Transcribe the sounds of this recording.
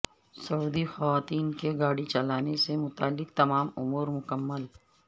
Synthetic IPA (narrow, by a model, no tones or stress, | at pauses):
sɐuːd̪ixɐʋaːt̪iːnkeɡaːɽit͡ʃɐlaːnesemʊt̪aːlːɪk̚t̪ɐmaːmʊmuːɾmʊkəmːəl